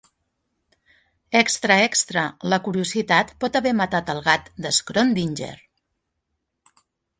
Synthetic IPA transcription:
ɛkst̪ɾəɛkst̪ɾələkuɾiuzit̪at̪pɔt̪əβɛmət̪at̪əlˠɣat̪d̪əskɾond̪inʲd͡ʒḛɾ

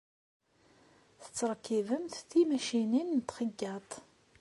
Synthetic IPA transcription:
θə̥t͡sːɾˤkːivəmθθimæʃininːt̪χəɡːɑt̪ˤ

